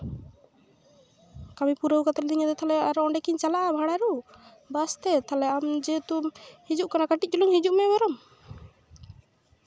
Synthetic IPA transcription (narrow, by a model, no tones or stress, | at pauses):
kamipuɾəwkat̪ɔɾ̚d̪iɲad̪ɔt̪ʰalɛaɾɔɔɳɖɛkiɲt͡ʃalaʔabʱaɽaɾu | bast̪ɛt̪ʰalɛamd͡ʒɛt̪uhid͡ʒuʔkanakaʈit̚ˀt͡ʃuluŋhid͡ʒuʔmɛbɔɾɔm